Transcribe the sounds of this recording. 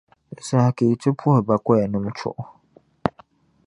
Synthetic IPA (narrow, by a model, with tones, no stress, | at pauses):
sa˨ha˨kʰe˨i˨tʰʊ˦pʰʊ˦hɛ˨ba˨kɔ˦ɛ˨nʊ̃˦m˦t͡ʃʰʊ̰˦˨ʔ